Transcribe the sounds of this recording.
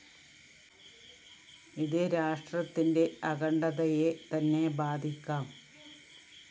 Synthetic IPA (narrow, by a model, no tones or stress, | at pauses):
iðɨɾaːʂʈrɐt̪ːinde̞ɐɣɐɳɖɐðɐjet̪ɐnːe̞baːd̪ʱikʲːaːm